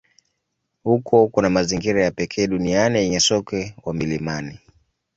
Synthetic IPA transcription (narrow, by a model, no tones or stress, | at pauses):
hukʰɔkunamaziŋɡiɾajapɛkʰɛːɗunianijɛɲɛsɔkɛwamilimani